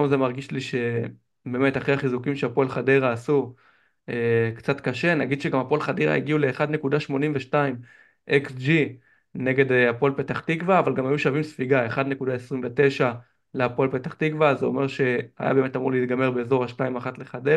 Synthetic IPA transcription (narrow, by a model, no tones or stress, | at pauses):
omzemaʁɡiʃliʃe̞ | be̞ːme̞taχejaχizukimʃeapoelχadeʁaːsu | ekt͡sat̪kaʃe̞naɡid̥̪ʃeɡamapo̞elχadeʁa̰ḭɡiule̞ːχad̪ne̞kudaʃmo̞nimveʃtaim | ʔeksd͡ʒi | ne̞ɡe̞deapolpe̞t̪aχt̪ikvaːvalɡamhajuʃavimsfiɡae̞χad̪ne̞kud̪ae̞sʁimve̞te̞jʃa | leapolpe̞t̪aχt̪ikvazeo̞̰me̞ʁʃe̞ha̰ja̰be̞ːme̞tamuʁleit̪̚ɡameʁbe̞ːzo̞ʁaʃtaimaχatle̞χade